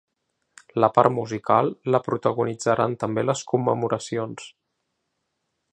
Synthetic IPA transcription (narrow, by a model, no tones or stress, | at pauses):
ləpa̰ɾmuzikalˠːəpɾut̪əɣunid͡zəɾʔant̪əmbeləskumːəmuɾʔəsions